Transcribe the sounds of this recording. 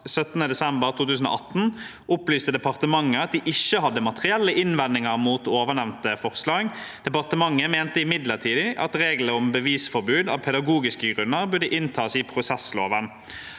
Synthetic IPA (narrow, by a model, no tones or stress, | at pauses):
sœt̪nəd̪ɛsɛmbəʁt̪ʰuːt̪ʉːsən̩o̰ːʔɑt̪n̩ | ʔʊplyːst̪əd̪ɛpɑʁt̪əmɑŋːəɑt̪̚d̪iʔɪçːəhɑd̪ːəmɑt̪əʁɪɛlːəʔɪnʋɛnːɪŋəʁmuːt̪oːʋəɳɛʋnt̪əfɔʁslɑːɡdd̪̥ɛpɑʁt̪əmɑŋːəmeːnt̪əɪmɪd̪ləʁt̪ʰiːd̪ɪʔɑ̰t̪ɾeːɡləɔmbəʋiːsfɔʁbʉːd̪ɑ̰ːʋpʰɛd̪ɑɡuːɡɪskəɡʁʉnːəʁbʉɖ̪əʔɪnt̪ʰɑːsipʰɾʊsɛsloːʋən